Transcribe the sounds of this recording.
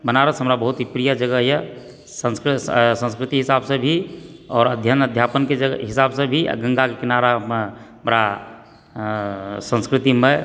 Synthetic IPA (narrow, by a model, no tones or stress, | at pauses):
bənaɾəsɦəmɾabəɦut̪ɦipɾijad͡ʒəɡəɦjɛ | sənsksə̃nskɾɪt̪iɦɪsabsẽbʱiɔːɾəd̪ʱjənəd̪ʱjapənked͡ʒəɡɦɪsabsẽbʱḭɡə̃ŋɡakekɪnaɾaɦəmɾa | sə̃nskɾɪt̪ime